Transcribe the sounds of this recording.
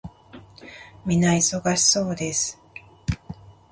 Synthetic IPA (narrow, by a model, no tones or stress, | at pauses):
mʲinaiso̞ɡaɕi̥so̞ːd̪e̞sɨ̥